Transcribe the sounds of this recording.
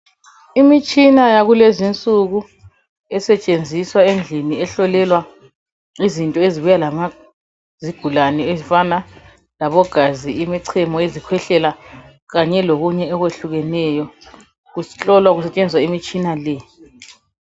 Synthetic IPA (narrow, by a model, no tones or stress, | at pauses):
imit͡ʃʼinajaɣulezint͡sʼuɣu | ɛsɛt͡ʃʼend͡zʱiswaend͡ɮʱiniɛɬɔlɛlwa | izintʼɔeziβujalama | ziɡ̥ʱulanɛezifana | laβɔɡ̥ʱaziimiǀʰɛmɔezikʰwɛɬɛla | ɣaɲɛloɣuɲɛɔɣweɬuɣɛnɛjɔ | ɣuɬʼɔlwaɣusɛt͡ʃʼend͡zʱiswaimit͡ʃʼinalɛ